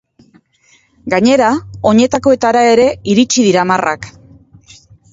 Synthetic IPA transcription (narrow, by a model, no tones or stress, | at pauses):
ɡaɲe̞ɾao̞ɲe̞t̪ako̞e̞t̪aɾae̞ɾe̞iɾit͡ʃiðiɾamarʔa̰k